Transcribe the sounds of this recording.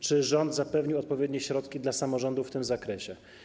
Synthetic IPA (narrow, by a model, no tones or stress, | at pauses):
t͡ʂɘʐɔnd̪zapɛvɲiwɔt̪̚pɔvʲjɛd̪ʲɲɛɕɾɔt̪kʲid̪lasamɔʐɔnd̪ufːt̪ɘmzakɾɛɕɛ